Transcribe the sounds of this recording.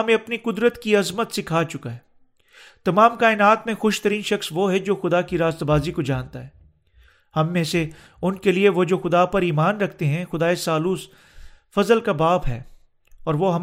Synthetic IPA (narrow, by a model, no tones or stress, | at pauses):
mẽɐpniqʊd̪ɾət̪kiɐzmət̪sɪkʰaːt͡ʃʊkaɦɛː | t̪ɐmaːmkaːɪnaːt̪mẽxʊʃt̪əɾiːnʃɐxsʋoɦɛd͡ʒoːxʊd̪akiɾaːst̪baːzikod͡ʒaːnt̪aɦɛː | hɐmːẽse | ʊnkelieʋod͡ʒoːxʊd̪apɐɾiːmaːnɾɐkʰt̪eɦɛ̃xʊd̪aːesaːluːs | fɐzəlkabaːpɦɛ̰ː | ɔːɾʋoɦɐm